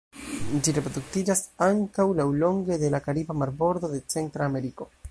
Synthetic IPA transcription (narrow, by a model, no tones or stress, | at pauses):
d͡ʒiɾepɾod̪uk̚tid͡ʒasaŋkawlawlo̞ŋɡe̞de̞lakaɾibamaɾbo̞ɾd̪o̞d̪e̞t͡se̞ntɾaːme̞ɾiko̞